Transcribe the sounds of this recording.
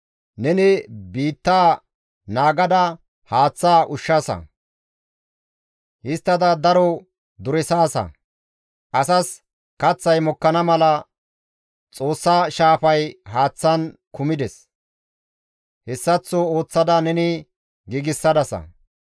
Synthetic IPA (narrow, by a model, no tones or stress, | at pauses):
nɛnɪbiːt̪ːaː | naːɡɐd̪ɐ | haːt͡sːaːʔʊʃːɐsɐ̰ | ʔɪst̪ːɐd̪ɐd̪ɐɾɔ | d̪ʊɾɛsaːsɐ̰ | ʔɐsɐs | kɐt͡sːɐjmɔkːɐnɐmɐlɐ | t͡sʼo̞ːsːaʃaːfɐjɦaːt͡sːɐnkʊmɪd̪ɛs | hɛsːɐt͡sːɔo̞ːt͡sːɐd̪ɐnɛnɪ | ɡiɡɪsːɐd̪ɐsɐ̰